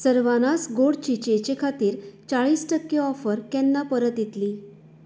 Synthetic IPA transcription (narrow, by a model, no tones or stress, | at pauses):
səɾʋanasɡoɽt͡ɕit͡ɕet͡ɕekʰat̪iːɾt͡saɭiːsʈəkːeɔfəɾkɛnːapəɾət̪jet̪liː